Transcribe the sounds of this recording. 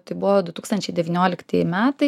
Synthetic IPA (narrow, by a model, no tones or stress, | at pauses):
t̪ɐɪbʊʋoːd̪ʊt̪uːkst̪ɐnʲt͡ʃʲɛɪd̪ʲɛʋʲinʲoːlʲɪkt̪ɐjmʲæːt̪ɐɪ